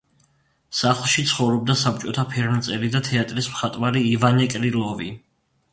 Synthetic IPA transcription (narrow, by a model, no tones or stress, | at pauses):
saχlˠʃit̪sʰχɔvɾɔb̚d̪asap̚t͡ʃʼɔt̪ʰapʰɛɾmt̪sʼɛɾid̪at̪ʰɛat̪ʼɾismχat̪ʼwvaɾiːvanɛkʼɾilˠɔvi